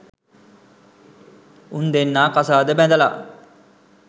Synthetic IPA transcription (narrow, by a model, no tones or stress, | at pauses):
und̪enːaːkasaːd̪əbæd̪əla̰